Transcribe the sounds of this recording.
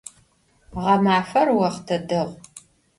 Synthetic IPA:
ʁɐmaːfɐrwɐχtʰɐdɐʁ

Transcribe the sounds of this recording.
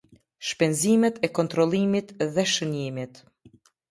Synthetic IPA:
ʃpɛnzimɛt̪ɛkɔnt̪ɾɔlˠimit̪ðɛʃənimit̪

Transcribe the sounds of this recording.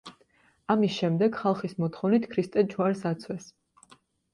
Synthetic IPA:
amisʃɛmd̪ɛɡχalˠχismɔt̪ʰχɔvnit̪ʰkʰɾist̪ʼɛd͡ʒwaɾsat̪sʰwɛs

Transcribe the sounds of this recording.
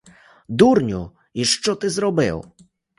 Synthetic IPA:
d̪uɾɲṵ | iʂt͡sɔt̪ɘzɾɔbɘ̰w

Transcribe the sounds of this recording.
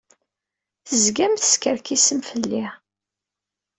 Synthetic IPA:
θəzɡæmθə̥skəɾkisəmfəlːi

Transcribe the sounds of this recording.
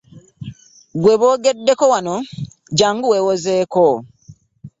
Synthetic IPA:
ɡweβo̞ːɡedːeko̞wano̞ | ɟaːŋɡuweːwozeko

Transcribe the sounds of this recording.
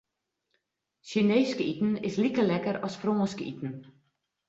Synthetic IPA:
ʃineːskitn̩ɪslikəlɛkəɾɔsproːəskḭtn̩

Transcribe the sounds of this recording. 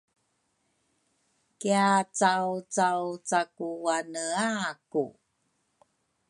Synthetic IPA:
kiat͡sawt͡sawt͡sakuwanəaku

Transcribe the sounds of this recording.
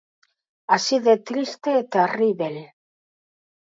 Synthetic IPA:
asiðet̪ɾist̪et̪eriβel

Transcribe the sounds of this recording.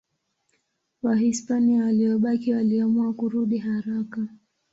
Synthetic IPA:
waɦispaniawaliɔɓakiwaliamuakuɾuɗiɦaɾaka

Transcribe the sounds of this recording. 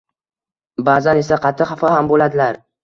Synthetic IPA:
baːzane̞saqʰɑt̪ʰːɪhafɒhambolad̪ɪlaɾ

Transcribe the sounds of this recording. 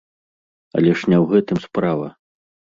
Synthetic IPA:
ɐ̰lʲɛʂnʲɛwɣɛt̪ɨmspɾavɐ̰

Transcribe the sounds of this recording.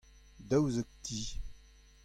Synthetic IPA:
dəwzək̚ti

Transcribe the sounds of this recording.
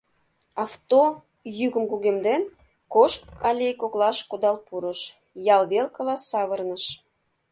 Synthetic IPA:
ɑft̪o | jyɣə̆mkuɣemd̪en | koʃkɑlʲejkoklɑʃkud̪ɑlpuɾə̆ʃ | jɑlβelkəlɑssɑβərnəʃ

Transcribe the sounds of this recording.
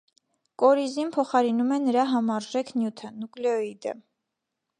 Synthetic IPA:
kʼɔɾizinpʰɔχɑɾinumɛnəɾɑɦɑmɑɾʒɛkʰnjut̪ʰənuklɛɔid̪ə̰

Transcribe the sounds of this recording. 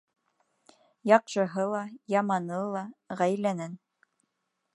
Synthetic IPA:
jɑqʃɤ̆ɦɤlˠɑjɑmɑnɤlˠɑʁæjlænæn

